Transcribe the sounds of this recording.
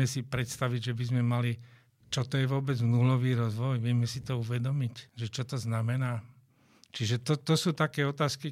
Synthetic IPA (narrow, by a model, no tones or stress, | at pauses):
ɛsipɾɛt̪st̪aʋiɟʒɛbizmɛmali | t͡ʃɔt̪ɔjɛʋʊɔbɛd͡znulɔʋiːɾɔzʋɔjʋɪɛmɛsit̪ɔuʋɛd̪ɔmicʒɛt͡ʃɔt̪ɔznamɛnaː | t͡ʃiʒɛt̪ɔt̪ɔsuːt̪akɛːɔt̪aːski